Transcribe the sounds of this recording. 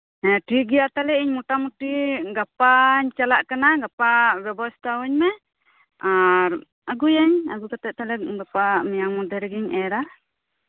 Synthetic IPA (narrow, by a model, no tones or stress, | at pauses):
ɛʈiɡɛjaʔt̪alɛiɲmuʈamuʈiɡapaɲt͡ʃalaʔkanaɡapabjɔbɔst̪ʰawɛɲmɛ | aɾ | aɡujaɲa̰ɡukat̪ɛt̪alɛɡapamɛjaŋmud̪ɛɾɛɡiɲɛɾa